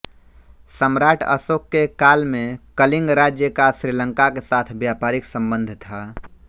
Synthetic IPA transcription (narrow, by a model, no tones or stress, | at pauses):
səmɾaːʈʰə̰sokːekaːlmẽkəlɪ̃ŋɡɾaːd͡ʒjəkasɾilə̃ŋkakesaːt̪ʰbjapaːɾɪksə̃mbə̃nd̪ʱt̪ʰa